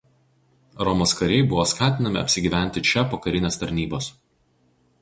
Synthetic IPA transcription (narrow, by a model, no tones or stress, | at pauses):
ɾɔmoskɐɾʲɛɪbʊʋoːskɑːt̪ʲɪnɐmʲɪ̰ɐ̰pʲsʲɪɡʲiːʋʲæˑnʲt̪ʲɪt͡ʃʲɛpoːkɐɾʲɪnʲeːst̪ɐɾʲnʲiːbos